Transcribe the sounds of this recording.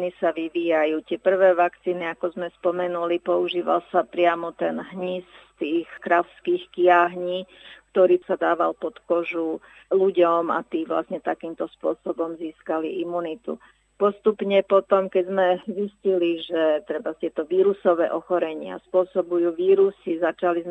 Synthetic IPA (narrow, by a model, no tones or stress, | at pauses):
nisaʋiʋiːjajuːt̪ɪɛpr̩ʋɛːʋakt͡siːniakɔzmɛspɔmɛnulipɔuʒiːʋa̰lsapɾɪamɔt̪ɛnɦɲisst̪iːxkɾaʊskiːxkɪjaɦɲiːk̚t̪ɔɾiːsad̪aːʋalpɔt̪kɔʒu | luɟɔma̰t̪iːʋla̰sɲɛt̪akiːmt̪ɔspʊɔsɔbɔmziːskaliʔimunit̪ṵ | pɔst̪upɲɛpɔt̪ɔmkɛzmɛzisciliʒɛt̪ɾɛbast̪ɪɛt̪ɔʋiːɾusɔʋɛ̰ːʔɔxɔɾɛɲɪa̰spʊɔsɔbujuːʋiːɾusizat͡ʃaliz